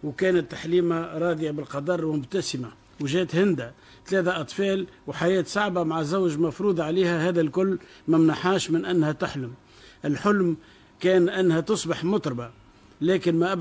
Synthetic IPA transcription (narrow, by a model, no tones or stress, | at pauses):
wkɛːnət̪ːaħliːmaɾˤɑːd̪ɪjabɪlqɑd̪ɑrˤwmʊbt̪æsɪma | wʒɛːt̪hɪnd̪a | t̪lɛːθaʔɑt̪ˤfɑːlwħajɛːt̪saʕbamaʕazawʒmɑfɾuːd̪ˤʕaliːhæhæːðælkʊlːmæmnaħaːʃmɪnʔænːhæt̪ʊħlʊm | ʔɪlħʊlm | kɛːnʔænːhæt̪ʊsˤbɑħmʊt̪ˤɾˤba | lɛːkɪnmæʔab